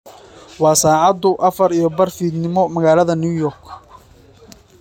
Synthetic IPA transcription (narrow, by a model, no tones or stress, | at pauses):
wɑːsaːʕɑd̪ʊʔɐfɐɾijɞbɐrfiːd̪nɪmɔmɐɣaːlɐðɐnuːjɔːrkʰ